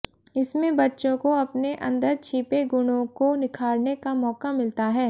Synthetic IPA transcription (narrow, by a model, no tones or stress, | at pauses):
ɪsmẽbɐtːʃõkoɐpneʔɐ̰̃nd̪əɾt͡ʃʰiːpeɡʊɽ̃õkonɪkʰaːɾnekamɔːkamɪlt̪aɦɛː